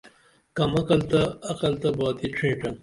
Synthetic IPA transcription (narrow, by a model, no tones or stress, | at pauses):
kɐmɐkɐlt̪ɐːqɐlt̪ɐbaːt̪iʈ͡ʂʰĩːʈɐŋ